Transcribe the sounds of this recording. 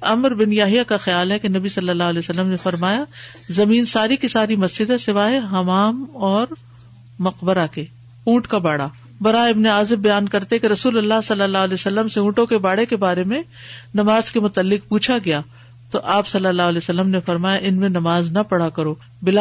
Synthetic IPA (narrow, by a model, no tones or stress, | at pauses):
ɐmɾbɪnjaːɦɪjakaxɐjaːlɦɛkenɐbisɐlːəlːaːɦlɛːsɐlːəmnefɐɾmaːjazɐmiːnsaːɾikisaːɾimɐsd͡ʒɪd̪asɪʋaːɦeɦɐmaːmɔːɾ | mɐqbəɾake | ũːʈkabaːɽa | bɐɾaːɪbneaːzɪbbɐjaːnkɐɾt̪eɛkeɾɐsuːlɐlːaɦsɐlːəlːaːɦlɛsɐlːəmseũːʈõkebaːɽekebaːɾemẽ | nɐmaːzkemʊt̪əlːɪq̚puːt͡ʃʰaɡɐjaː | t̪oʔaːpsɐlːəlːaːɦʊlɛːsɐlːəmnefɐɾmaːjaʔɪnmẽnɐmaːznɐpɐɽakɐɾoː | bɪla